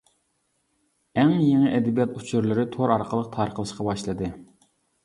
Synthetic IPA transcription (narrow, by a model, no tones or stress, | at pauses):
ɛŋjeŋɪʔɛd̪ɪbijɑt̪ut͡ʃʰyɾlˠɪɾɪt̪ʰoɾɑɾqʰəlˠəq̚t̪ʰɑɾqəlˠɨʃqɑbɑʃlˠɨd̪ɨ